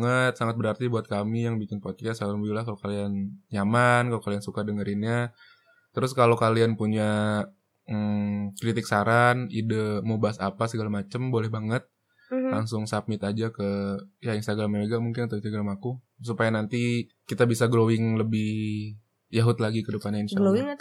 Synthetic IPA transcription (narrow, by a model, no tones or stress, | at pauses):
ŋət̪̚saŋat̪̚bəɾart̪ibuat̪̚kamijaŋbikɪnpot̪asabilakalokalianɲamankalokaliansukadəŋəɾinɲa | t̪əɾʊskalokalianpuɲa | kɾit̪ɪk̚saɾanidəmubasapasəɡalamat͡ʃəmbolɛhbaŋət̪̚ | laŋsʊŋsap̚mɪt̪ad͡ʒakəjainst̪aɡɾaməeɡaʔmuŋkɪnat̪uinst̪aɡɾamaku | supajanant̪i | kit̪abisaɡɾowɪŋləbɪh | jaɦʊt̪laɡikədəpanɲainsɡalowɪŋ